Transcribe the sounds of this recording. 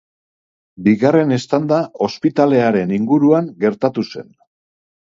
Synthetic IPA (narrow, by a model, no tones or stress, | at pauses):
biɣare̞ne̞st̪and̪ao̞spit̪ale̞aɾe̞niŋɡuɾuaŋɡe̞ɾt̪at̪use̞̰n